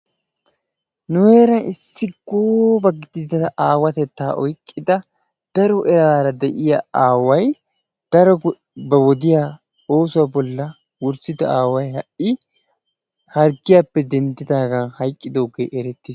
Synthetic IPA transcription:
nʊheːɾɐnʔɪsːɪɡoːbɐɡɪd̪ɪd̪ɐʔaːwɐt̪ɛt̪ːaːʔɔjkʼːɪd̪ɐ | d̪̥ɐɾɔʔɛɾaːɾɐd̪ɛʔɪjɐaːwɐj | d̪̥ɐɾɔ | bɐwɔd̪ɪjaː | o̞ːsʊwabɔlːɐ | wʊɾsɪd̪ɐaːwɐjɦɐʔɪ | hɐɾɡɪjaːpːɛd̪ɛnd̪ɪd̪aːɡɐhɐjkʼːɪd̪oːɡḛːʔɛɾɛt̪ːiːs

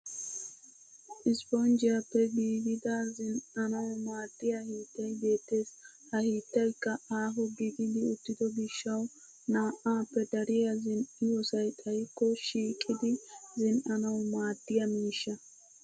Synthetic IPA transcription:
ʔɪspɔnd͡ʒɪjapːɛɡiːɡɪd̪ɐzɪnʔɐnɐwmaːd̪̥ːɪjahiːt̪ːɐjbe̞ːt̪ːe̞ːs | hɐhiːt̪ːɐjkːɐaːɦɔɡiɡɪd̪ɪʊt̪ːɪd̪ɔɡɪʃːɐw | naːʔaːpːɛd̪ɐɾɪjɐzɪnɪjosɐjt̪ʼɐjkːɔʃiːkʼːɪd̪ɪzɪnʔɐnɐwmaːd̪̥ːɪjɐmiːʃːɐ

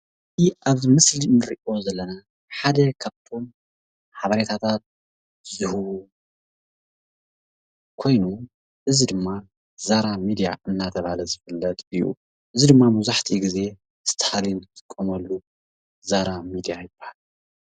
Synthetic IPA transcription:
iʔaβmɨslinɨɾʔio̞zɐlːɐna | ħad̪ɐkʰaβt̪ʰo̞m | ħaβɐɾet̪ʰat̪ʰat̪̚ | zɨhɨβu | kʰo̞jnu | ʔɨzid̪ɨmːa | zaɾamid̪ija̰ʔɨnːat̪ʰɐβhalɐzɨfɨlːɐt̪ʼɨjṵ | ʔɨzid̪ɨmːamuzaħt̪ʰiɡize̞ | ɨst̪ʰɐhalint̪ʰɨkʼːɐmɐlːu | zaɾamid̪ijajɨb̥ːahal

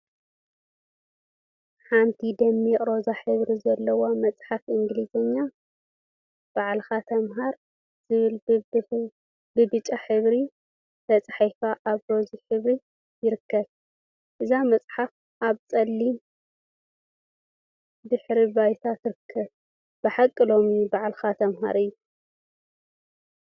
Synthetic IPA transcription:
ħant̪ʰid̪ɐmːiɛʔʼɾozaħɨβɾizɐlːɐwomɐt͡sʼħafʔɨŋɡlizɐɲːa | b̥aʕlxat̪ʰɐmɦaɾ | zɨβɨl | bɨbɨt͡ʃʼaħɨβɾi | t̪ʰɐt͡sʼaħajfaʔaβɾo̞ziħɨβɾi | jɪɾɨkʰːɐβ | ʔɨzamɐt͡sʼħaf | ʔaβt͡sʼɐlːi | d̪ɨħɾibajt̪ʰat̪ʰɨɾɨkʰːɐβ | b̥ɨħakʼːɨlo̞mubaʕlxat̪ʰɐmɦa̰ɾɨjːu

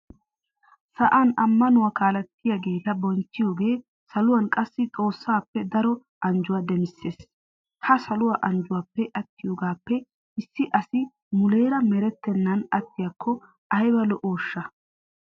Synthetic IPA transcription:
sɐʔanɐmːɐnʊwaːkaːlɐt̪ːɪjaɡe̞ːt̪ɐbɔnt͡ʃːɪjo̞ːɡe̞ː | sɐlʊwɐnkʼɐsːɪt͡sʼo̞ːsːaːpːɛd̪ɐɾɔ | ʔɐnd͡ʒʊwaːd̪ɛmɪsːe̞ːs | hɐsɐlʊwaʔɐnd͡ʒʊwaːpːɛʔɐt̪ːɪjoːɡaːpːɛ | ɪsːɪʔɐsɪ | mʊle̞ːɾɐmɛɾɛt̪ːɛnːɐnɐt̪ːɪjakʰːɔ | ʔɐjbɐlɔʔo̞ːʃːɐ

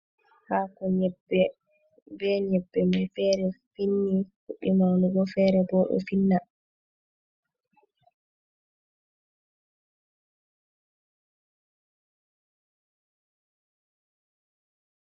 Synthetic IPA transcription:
haːkɔɲɛbːɛ | bɛɲɛbːɛmɛfɛːɾɛfinːifuɗːimawnuɡɔfɛɾɛbɔɗɔ̰finːa

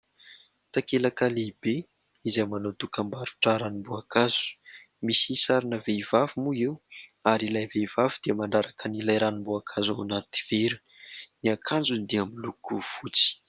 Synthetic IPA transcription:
t̪akelakalibe | izamanot̪ukəmbaɾu̥ʈ͡ʂaɾanimbuakazu̥ | misisaɾinəveivavumuewaɾilajvevavud̪̥iəmaɳɖ͡ʐaɾakənilajɾanimboakʰazawanat̪i̥v̥eɾu̥ | niakʰand͡zunid̪iamilukuv̥ut͡si̥

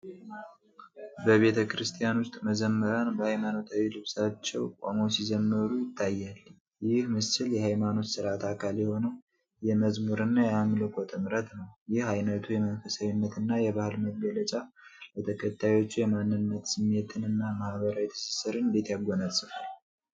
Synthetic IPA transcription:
bəβe̞t̪ʰəkʰɾɨst̪ʰijanwʊst̪ʼməzəmːəɾanbəhajmano̞t̪ʰawilɨβsat͡ʃːɛwkʼo̰mosizəmːɨɾujɪt̪ʰːajːal | jɪhmɨsɨljɛhajmano̞t̪sɨɾat̪ʰakʰaljɛho̞nəw | jɛməzmuɾɨnːajɛamlɨkʰot̪ʼɨmɾət̪nəwjɪhhajnət̪ʰujɛmənfəsəɲɨnːət̪ɨnːajɛβahɨlməɡələt͡ʃʼa | bət̪ʰəkʰət̪ʰːajwo̞t͡ʃːujɛmanːɨnːət̪sɨmet̪ʰɨnɨnːamahβəɾawɛt̪ʰɨ̥sɨ̥sɨɾɨnb̪et̪jaɡːonasʼɨfa

